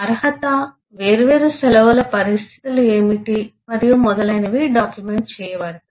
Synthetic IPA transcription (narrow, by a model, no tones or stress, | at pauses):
ɐɾɐɦɐt̪ɐ | ʋe̞ːɾuʋeːɾusɛlɐʋɐlɐpɐɾist̪ʰi̥t̪ulueːmiʈimɐɾijumɔd̪ɐlɐjnɐʋiɖaːkjumeɳʈ̚t͡ʃɛːjɐʋɐːɽɐɐ